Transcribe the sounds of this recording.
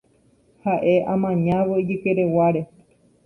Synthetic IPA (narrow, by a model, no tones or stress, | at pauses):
haʔe̞ʔãmãɲãʋoid͡ʒɨkeɾewaɾe̞